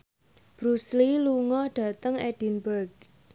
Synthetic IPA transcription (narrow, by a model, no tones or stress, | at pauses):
b̥ɾusliluŋɔɖ̥ä̤t̪əŋeɖ̥i̤nbərɡ̥̚